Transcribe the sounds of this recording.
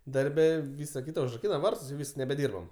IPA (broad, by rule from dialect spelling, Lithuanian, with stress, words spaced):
dɐrʲˈbʲɛ ˈʋʲiːsɐ ˈkʲiːtɐ ʊʒrɐˈkʲiːnɐ ˈʋɐrtʊs jɛʊ ˈʋʲiːs nʲɛbʲɛˈdʲiːrbɐm